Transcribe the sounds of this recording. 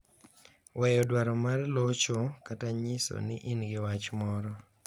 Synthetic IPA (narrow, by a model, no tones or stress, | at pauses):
wɛjɔdwaɾɔmarlɔt͡ʃɔkataɲɪso̰nɪʔɪnɡɪwat͡ʃmɔɾɔ